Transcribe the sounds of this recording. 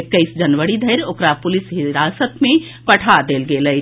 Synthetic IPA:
kəɪsd͡ʒənʋəɽid̪ʱəɪɾoːkɾapʊlisɦɪɾasət̪mẽ | pəʈʰad̪elɡeləj

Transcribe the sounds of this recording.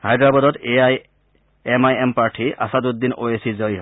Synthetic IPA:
hajdɹabɔdɔt̪ej | ɛmajɛmpaɹʈʰiʔa̰sad̪ut̪̚dːinojesizɔɹiɦo

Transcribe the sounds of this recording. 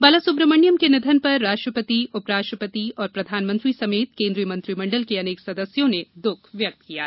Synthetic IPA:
bɐlasʊbɾəməɳjəmkenɪd̪ʱənpɐɾːaːʃʈɾəpət̪iʊpɾaːʃʈɾəpət̪iɔːɾpɾɐd̪ʱaːnmə̃nt̪ɾisɐmeːt̪kẽːnd̪ɾijəmɐ̃nt̪ɾimɐ̃ɳɖəlkeɐneːksɐd̪əsjõned̪ʊkʰʋjɐk̚t̪kija̰ː

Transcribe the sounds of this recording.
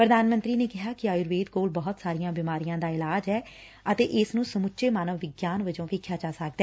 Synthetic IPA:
pɾəd̪aːnmə̃nt̪ɾiːneːkɪɦaːkɪaːjʊɾʋeːd̪koːlbɔːt̪saːɾɪjãːbɪmaːɾijãːd̪aːɪlaːd͡ʒɦɛː | ət̪eːʔɪsnũːsəmʊtːʃʰeːmaːnəʋːɪɡjaːnʋəd͡ʒõːʋɪkʰːjaːt͡ʃaːsak̚d̪ɛː

